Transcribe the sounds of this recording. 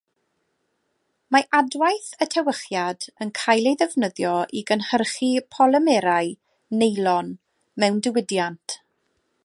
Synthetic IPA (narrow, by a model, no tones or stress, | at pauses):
maʔadwajθətʰɛwəχjadənkʰajlˠejðɛvnəðjɔʔiɡənhərχipʰɔlˠəmɛɾaj | nejlˠɔn | mɛwndɪwɪdjantʰ